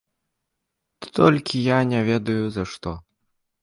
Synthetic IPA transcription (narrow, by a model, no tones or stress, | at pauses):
t̪t̪ɔlʲkʲijanʲɛvʲɛd̪ɐjuzɐʂt̪ɔ